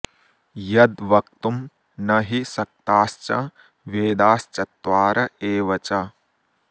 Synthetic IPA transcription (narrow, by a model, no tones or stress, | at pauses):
jɐd̪ʋɐk̚t̪um | nɐɦisɐk̚t̪aːst͡ʃɐ | ʋeːd̪aːst͡ʃɐt̪ʋaːɾɐeːʋɐt͡ʃɐ